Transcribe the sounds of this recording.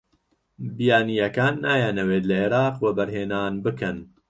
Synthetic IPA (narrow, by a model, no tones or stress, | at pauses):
bijaːnijɐkaːnːaːjaːnɐweːt̪lɐeːɾɑːqwɐbɐɾɦeːnaːnbɨkɐn